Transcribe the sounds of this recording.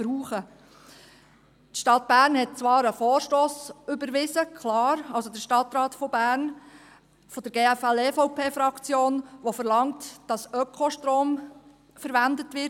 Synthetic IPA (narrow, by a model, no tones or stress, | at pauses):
b̥ɾuːχə | tʃtɑt̚b̥æːɾnhɛt̚t͡sʋɑːɾəfoːɾʃtoːsʏbəɾʋɪzəkʰlɑːɾɑlsodəʃtɑtɾɑːtfɔbæːɾn | fɔd̥əɾɡeːæfɛlɛfɔʊpʰeːfɾɑkt͡sjoːnʋofəɾlɑŋtd̥ɑsœkʰχoʃtɾoːm | fəɾʋændətʋɪ